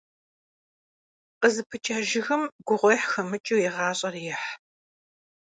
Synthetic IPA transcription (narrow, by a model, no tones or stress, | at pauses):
qəzɨpʰɨt͡ʃʼaːʒɪxɐmɡ̥ʷʊʁʷɔjħxɐmɨt͡ʃʼiwjɪʁɑːɕʼɐrjɪħ